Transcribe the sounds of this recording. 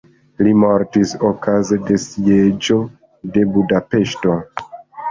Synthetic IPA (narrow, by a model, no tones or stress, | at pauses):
limo̞ɾtisokʰaze̞de̞sied͡ʒo̞ | de̞budape̞ʃto̞